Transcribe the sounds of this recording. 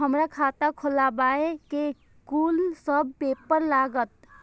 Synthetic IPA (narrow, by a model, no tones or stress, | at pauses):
ɦəmɾakʰat̪akʰolabaeke | kulsəbːepəɾlaɡət̪